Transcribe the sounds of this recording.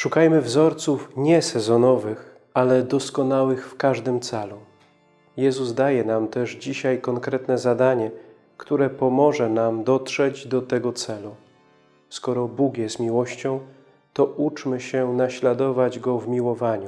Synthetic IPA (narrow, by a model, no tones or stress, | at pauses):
ʂukajmɘvzɔɾt̪sufɲɛsɛzɔnɔvɘx | alɛd̪ɔskɔnawɘxfkaʐd̪ɘmt̪sɛlu | jɛzuzd̪ajɛnamt̪ɛʐd͡ʑiɕajkɔŋkɾɛt̪nɛzad̪aɲɛ | kt̪uɾɛpɔmɔʐɛnamd̪ɔt̪ʂɛd͡ʑd̪ɔt̪ɛɡɔt̪sɛlu | skɔɾɔbukjɛst̪mʲiwɔɕt͡ɕɔ̃w̃ | t̪ɔʔut͡ʂmɘɕɛnaɕlad̪ɔvad͡ʑɡɔvmʲiwɔvaɲu